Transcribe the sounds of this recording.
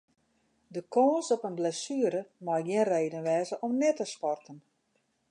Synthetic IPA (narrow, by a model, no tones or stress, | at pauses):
dəkʰɔːnsɔpənblɛsyəɾəmajɡjɪənreːdənʋɛːzəʔɔmnɛtəspɔrtən